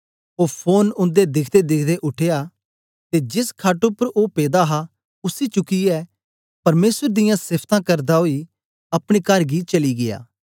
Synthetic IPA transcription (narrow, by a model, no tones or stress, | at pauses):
oːpʰoːnʊ̃nd̪ed̪ɪkʰd̪ed̪ɪkʰd̪eʔʊʈʰeja | t̪ed͡ʒɪskʰaːʈopɐɾʔoːpeːd̪aɦa | ʊsit͡ʃʊkiɛ | pɐɾmeːswəɾd̪ɪjãsɪpʰt̪ãkɐɾd̪aɦoːi | ɐpɽ̃ikɐɾɡit͡ʃɐliɡɪja̰ː